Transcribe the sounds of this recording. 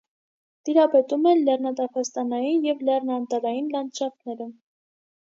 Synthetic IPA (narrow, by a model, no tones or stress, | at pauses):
t̪iɾɑpɛt̪umɛnlɛrnɑt̪ɑpʰɑst̪ɑnɑjinjɛvlɛrnɑnt̪ɑɾɑjinlɑnt͡ʃɑknɛɾə